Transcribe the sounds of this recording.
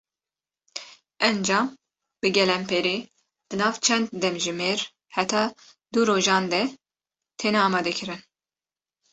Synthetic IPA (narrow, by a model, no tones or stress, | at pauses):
ɛnd͡ʒɑːm | b̥ɨɡɛlɛmpʰeɾeː | d̪̥ɨnɑːvt͡ʃʰɛnd̪̚d̪ɛmʒɨmeːɾ | hɛt̪ʰɑː | d̪uɾoːʒɑːnd̪ɛ | t̪ʰeːnɛɑːmɑːd̪ɛkʰɨɾɨn